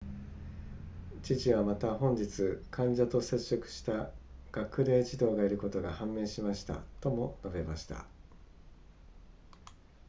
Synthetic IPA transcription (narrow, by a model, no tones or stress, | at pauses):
t͡ɕiʑiβamat̪aɦõ̞ɲ̟d͡ʑit͡sɨkʰãɲ̟d͡ʑat̪o̞se̞t͡ɕːo̞kɯ̟̥ɕi̥t̪aɡ̥akɯ̟ɾe̞ːd͡ʑid̪o̞ːɡaiɾɯ̟ko̞t̪o̞ɡahãmːẽ̞ːɕimaɕi̥t̪a̰t̪o̞mo̞nabe̞maɕi̥t̪a̰